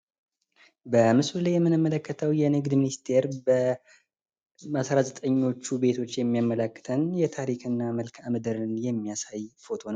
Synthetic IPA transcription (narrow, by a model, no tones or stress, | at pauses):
bəmɨsuljɛmːɨnɨmːələkːət̪ʰəwjɛnɨɡd̪minist̪ʰe̞ɾbə | asɾazət̪ʼəɲːo̞t͡ʃːube̞t̪ʰo̞t͡ʃːjɛmːijamːələkːɨ̥t̪ʰənjɛt̪ʰaɾikʰɨnːaməlkʰamɨd̪ɨɾɨnjɛmːijasajfo̞t̪ʰo̞n